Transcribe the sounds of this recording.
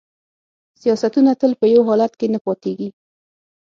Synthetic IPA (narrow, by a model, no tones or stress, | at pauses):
sijɑsat̪unat̪əlpəjawɦɑlat̪kenapɑt̪eɡi